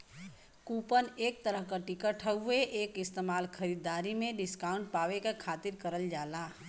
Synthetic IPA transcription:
kuːpəneːk̚t̪əɾəɦkaʈɪkəʈʰəueʔeːkɪst̪eːmaːlkʰəɾid̪aːɾimẽɖɪskaːʊ̃ɳʈ̚paːʋekakʰaːt̪ɪɾkəɾəld͡ʒaːlaː

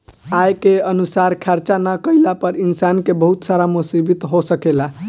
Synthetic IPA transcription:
ajkeənusaɾkʰaɾt͡ʃanəkəjlapəɾinsankebəɦut̪saɾamusibit̪ɦosəkela

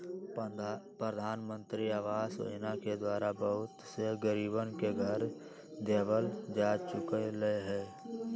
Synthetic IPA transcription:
pɾəd̪ʱaːnmə̃nt̪ɾiaːʋaːso̰naked̪waːɾabəɦʊt̪seɡəɾiːbənkeɡʱəɾ | d̪eːbəld͡ʒaːt͡ʃʊkeleɦɛː

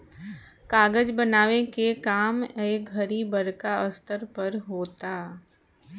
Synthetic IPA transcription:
kaːɡəd͡ʒbənaːʋẽkekaːmeːkɡʱəɾibɐɾkaəst̪əɾpɐɾɦoːt̪aː

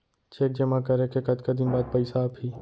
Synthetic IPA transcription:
t͡ʃeːk̚d͡ʒɐmakəɾekekɐd̪kad̪ɪnbaːd̪̚pəɪsapiː

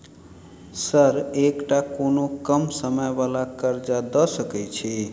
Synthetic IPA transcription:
səɾekʈakonokəmsəməjbalakəɾd͡ʒad̪ɔsəkɛjt͡ʃʰi

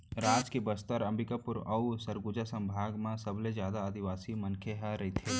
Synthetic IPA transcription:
ɾaːd͡ʒkebəst̪əɾɐmbɪkapʊɾɐusəɾɡʊd͡ʒasɐ̃mbʱaːɡmãsɐblezjaːd̪aəd̪ɪʋaːsimɐnkʰeɦaɾɐɦit̪ʰeː

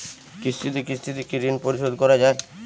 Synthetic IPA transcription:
kist̪ʰit̪ikist̪ʰit̪ikiɾinpoɾiʃod̪kɔɾad͡ʑae

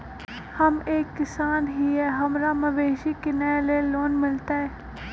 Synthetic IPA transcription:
hɐmeːkːɪsaːnɦiɦɛːɦɐmɾamɐʋeːʃikɪnɛːleloːnmɪlt̪aɦɛː

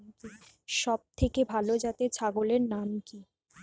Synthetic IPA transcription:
ʃɔb̚t̪ʰekebʱalod͡ʑat̪et͡ɕʰaɡoleɾnamki

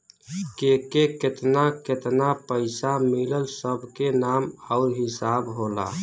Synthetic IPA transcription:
kekeket̪naket̪napəɪsamiləlsəbʱkenaməʊɾɦɪsabɦola̰

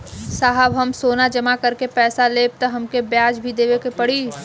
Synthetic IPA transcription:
saːɦəbɦɐmsoːnad͡ʒɐmakɐɾkepɛːsaleːb̚t̪ɐɦɐmkebjaːd͡ʒbʱid̪eːʋekepɐɽiː

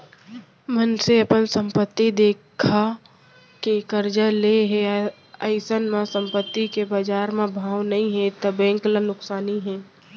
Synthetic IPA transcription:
mənseɐpənsə̃mpət̪ːid̪eːkʰa | kekəɾd͡ʒəleɦe | əɪsənmãsə̃mpət̪ːikebaːd͡ʒaːɾmẽbʱaːwnɐɦĩɦɛ̃t̪əbɛ̃ːŋklənʊksaːniɦɛ̃ː

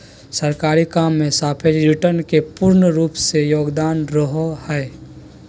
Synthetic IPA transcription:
sɐɾkaːɾikaːmːẽsaːpʰɪɾɾɪʈəɾnkepʊɾnəɾuːpsejoːɡd̪aːnɾəɦohɛː

